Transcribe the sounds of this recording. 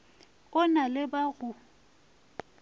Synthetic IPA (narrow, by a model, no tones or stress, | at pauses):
ʊnalɪbaɣʊ